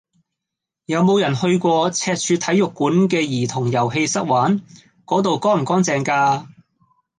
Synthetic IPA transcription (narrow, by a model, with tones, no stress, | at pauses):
jɐ˨˧wmo˨˧wjɐ˨˩nhɵ˧ɥkʷɔː˧t͡sʰɛː˧t̚t͡ʃʰyː˧t̪ʰɐ˨˥jʊ˨kːuː˨˥nkɛː˧jiː˨˩t̪ʰʊ˨˩ŋjɐ˨˩wɦe˧jsɐ˥k̚waː˨˥n | kɔː˨˥t̪o˨wkɔː˥m̩˨˩kɔː˨˥ŋt͡sɛː˨ŋkaː˧